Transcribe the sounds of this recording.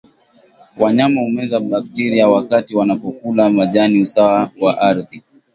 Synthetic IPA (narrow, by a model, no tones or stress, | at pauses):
waɲamahumɛzaɓak̚tiɾiawakatiwanapɔkulamaʄaniusawawaʔaɾði